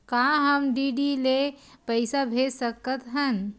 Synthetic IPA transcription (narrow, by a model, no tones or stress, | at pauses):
kaɦəmɖiɖile | pəɪsabʱesəkət̪ɦən